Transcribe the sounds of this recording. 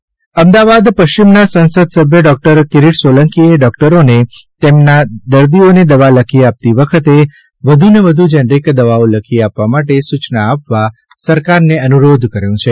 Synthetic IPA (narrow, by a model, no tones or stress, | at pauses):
əmd̪aʋad̪pəʃt͡ʃimnasə̃nsəd̪səbʱjəɖɔk̚ʈəɾkɪɾiʈsʋoləŋkieɖɔkʈəɾonet̪emnad̪əɾd̪ioned̪əʋaləkʰiap̚t̪iʋəkʰət̪e | ʋəd̪ʱuneʋəd̪ʱud͡ʒənɾikd̪əʋaoləkʰiapʋamaʈesut͡ʃnaːpʋa | səɾkaɾneənuɾod̪ʱkəɾjũt͡ʃʰe